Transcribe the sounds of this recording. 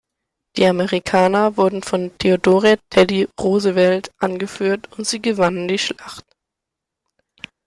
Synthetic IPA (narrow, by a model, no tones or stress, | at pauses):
d̥iːaməʁikʰaːnɐvʊɐdn̩fɔntʰeodoːʁɛtʰːɛliʁoːzəvɛltʔanɡəfyːɐtʊntz̥iːɡəvanəndiːʃlaχt